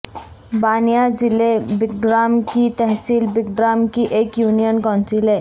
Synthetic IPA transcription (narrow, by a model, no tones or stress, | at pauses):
baːnijazɪlebɪk̚ɖɾaːmkit̪ɛɦsiːlbɪkɖɾaːmkiʔeːkjuːnijənkaʊnsɾileː